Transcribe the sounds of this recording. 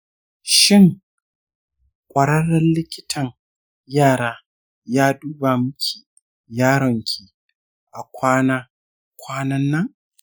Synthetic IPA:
ʃɪ˦˨ŋ | kʷʼɐ˨ɽɐ˦ɽɐ˦nlɪ˦kʲɪ˦tʰɐ˨ŋ | jaː˦˨ɽaː˦ | jaː˦duː˦ba˨mʊ˦kʲʰi˨ | jaː˦ɽɔ˨ŋkʲʰi˨ | ʔa˨kʷaː˦naː˦ | kʷaː˦nɐ˦nːɐ˦ŋ

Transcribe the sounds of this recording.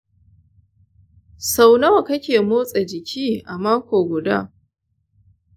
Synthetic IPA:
sa˨wnɐ˦wa˨kɐ˦kʲeː˨moː˦sʼɐ˨d͡ʒɪ˨kʲʰiː˦ʔa˨maː˦kʷoː˨ɡʷʊ˨da̰ː˦

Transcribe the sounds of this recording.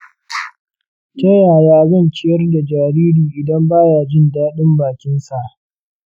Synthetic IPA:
tɐ˦jaː˨jaː˦zɐ˦˨nt͡ʃɪ˦jɐ˦rda˨d͡ʒaː˨ɾiː˦ɾiː˨ʔɪ˨dɐ˦mbaː˦jaː˨d͡ʒɪ˦ndaː˦ɗɪ˦mbaː˨kʲɪ˦nsa˨ʔ

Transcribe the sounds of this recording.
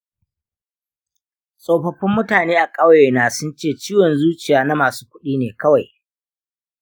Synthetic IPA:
sʼoː˨ɸɐ˦ɸɪ˦mːʊ˦taː˨neː˦ʔa˨kʼɐ˦wje˨naː˨sʊ˦nt͡ʃeː˦˨t͡ʃiː˦wɔ˨nzuː˦t͡ʃɪ˨jaː˨na˦maː˨su̥ː˦kʷʊ˦ɗiː˦neː˨kɐ˦wa˨j

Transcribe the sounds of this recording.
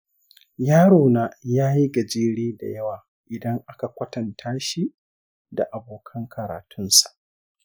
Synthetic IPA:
jaː˦ɽoː˨naː˦jaː˦ji˦ɡɐ˨d͡ʒeː˦ɽeː˦da̰˨jɐ˦waː˨ | ʔɪ˨dɐ˦ŋʔa˦ka˨kʷɐ˦tɐ˨ntʰaː˦ʃi˦ | da̰˨ʔa˨boː˨kʰɐ˦ŋkʰɐ˨ɾa̰ː˨tʰʊ˦nsḁ˨ʔ

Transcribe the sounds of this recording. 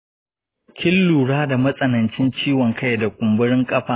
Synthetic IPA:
kʲɪ˦lːuː˨ɽaː˦da˨mɐ˦sʼɐ˨nɐ˨nt͡ʃɪ˦nt͡ʃiː˦wɔ˨ŋkʰa˦jda˨kʷʼʊ˨mbʊ˦ɽɪ˦ŋkʼɐ˦ɸaː˨

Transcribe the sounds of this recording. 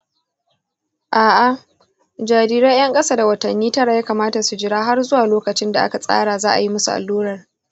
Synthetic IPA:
ʔaː˨ʔa˨ | d͡ʒaː˨ɾiː˦ɾa˦j̰ɐ˦ŋkʼɐ˦saː˦da˨wɐ˨tɐ˨nːiː˦tɐ˦ɽa˨jaː˦kaː˨maː˦ta˨su˨d͡ʒɪ˨ɽaː˦ɦa˦rzʊ˦waː˨loː˦kɐ˨t͡ʃɪ˦nda˨ʔa̰˦ka˨sʼa̰ː˦ɽaː˨zaː˦ʔa̰˨ji˦mʊ˦su˨ʔa̰˨lːuː˦ɽɐ˨r

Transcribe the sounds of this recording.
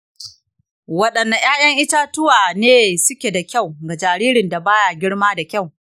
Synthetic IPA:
wɐ˦ɗɐ˨nːa˨j̰aː˦jɐ˦ŋʔɪ˦taː˦tʊ˦waː˨neː˦sʊ˦kʲe˨da˨kʲa˦˨wɡa˨d͡ʒaː˨ɾiː˦ɾɪ˨nda˨baː˦ja˨ɡʲɪ˦ɽmaː˦da˨kʲa˦˨w

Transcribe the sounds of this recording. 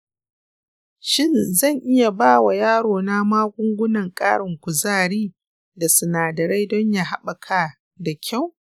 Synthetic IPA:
ʃɪ˦nzɐ˦˨ŋʔɪ˦ja˨baː˦˨wa˨jaː˦ɽoː˨na˦maː˦ɡʷʊ˦ŋɡʷʊ˦nɐ˨ŋkʼa̰ː˦ɽɪ˨ŋkʷʊ˨zaː˦˨ɽiː˦ | da˨sʊ˨naː˨dɐ˨ɽa˦jdɔ˦ɲja˦ɦa˦ɓa˨kʰa˦ | da˨kʲʰa˦˨w

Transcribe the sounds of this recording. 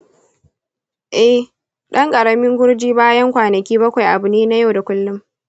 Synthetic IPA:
ʔɛ˦h | ɗɐ˦ŋkʼɐ˨ɽɐ˨mɪ˦ŋɡʷʊ˦ɽd͡ʒiː˦baː˦jɐ˦ŋkʷaː˨nɐ˨kʲiː˦bɐ˦kʷa˨jʔa˨bʊ˨neː˦na˦ja˦wda˨kʷʊ˦lːʊ˦m

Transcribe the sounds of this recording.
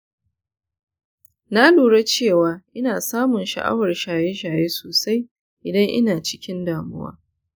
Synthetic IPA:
na˦luː˨ɽe˦t͡ʃeː˦˨waː˦ʔɪ˦naː˨saː˦mʊ˨nʃɐ̰˨ʔa̰˦wɐ˨rʃaː˨je˦ʃaː˨jeː˦soː˨sa˦j | ʔɪ˨dɐ˦ŋʔɪ̰˦naː˨t͡ʃɪ̥˦kʲɪ˦ndaː˨mʊ̰˦wa̰ː˦

